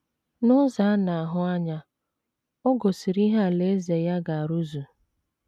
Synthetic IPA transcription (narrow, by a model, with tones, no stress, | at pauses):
nʊ˦za˨a˦na˨a˨ɦʊ˦a˦ɲa˦ | ɔ˦ɡo˨si˨ɾi˦ɦa˦a˨le˨˦ze˨ja˦ɡa˨a˨ɾu˦zu˨